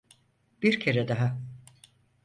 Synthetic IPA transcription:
biɾcʰe̞ɾɛd̪aɦa

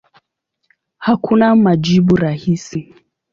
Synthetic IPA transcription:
hakunamaʄiɓuɾahisi

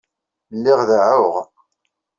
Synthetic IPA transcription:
lːɪʁðaʕʊʁ

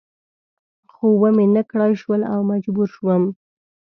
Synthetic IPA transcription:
xowəmenakɽɑjʃwəla̰wmad͡ʒbuɾʃwəm

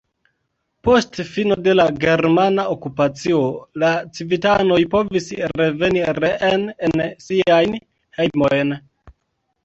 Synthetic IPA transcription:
po̞stfino̞de̞laɡe̞ɾmanaokupat͡sio̞lat͡sivitano̞jpo̞visɾe̞ve̞niɾeʔenensiajn | hejmo̞jn

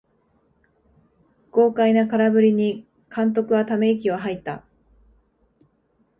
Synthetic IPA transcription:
ɡ̥o̞ːkainakaɾabɯ̟ɾʲiɲ̟i | kãnt̪̬o̞kɯ̟βat̪ame̞ikʲiβaɦait̪ːa

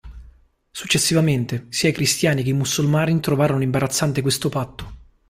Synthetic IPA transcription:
su̥t͡ʃːesːivament̪esiːaikɾist̪jaːnikeimusːulmaːɾit̪ɾovaːɾonoimbaɾat̪sːant̪ekwest̪opat̪ːo̥

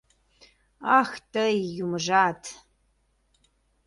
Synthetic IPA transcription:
aːxtʰɐijumɨʐaːtʰ

